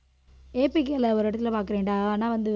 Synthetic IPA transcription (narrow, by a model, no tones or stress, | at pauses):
eːpik̬ːelɐɔɾɯɪɽɐt̪ːɪlɐpaːɾkɯɾeːɳɖaːaːnːaːʋɐnd̪ɯ